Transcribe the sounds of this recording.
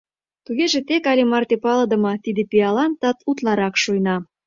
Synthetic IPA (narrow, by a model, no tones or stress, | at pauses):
t̪uɣeʒĕt̪ekɑlʲemɑrt̪epɑlɤ̆d̪ə̆mɤ̆t̪id̪ĕpiɑlɑnt̪ːɑt̪ut̪lɑɾɑkʃujnɑ